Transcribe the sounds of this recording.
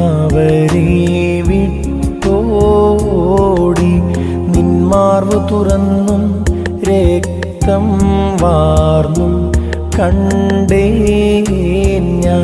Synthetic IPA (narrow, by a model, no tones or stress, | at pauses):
ʋɐɾe | ʋi | ʈːo | ɽi | ninmaːrʋɨt̪urɐnːum | ɾek̚ | t̪ɐmʋaːrnum | kɐɳɖe | ɲaː